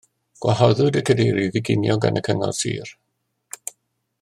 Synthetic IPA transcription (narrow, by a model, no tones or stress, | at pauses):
ɡ̥waɦɔðʊdəkʰədejɾivɪɡɪnjɔɡa̰nʔəkʰəŋɔ̰rsḭːr